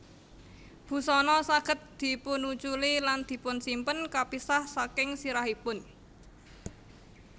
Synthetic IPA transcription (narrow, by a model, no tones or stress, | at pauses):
b̥ṳsɔnɔsaɡ̥ə̤t̪̚d̪̥i̤pʊnut͡ʃuliland̪̥i̤pʊnsimpənkapisahsakɪŋsiɾaɦipʊn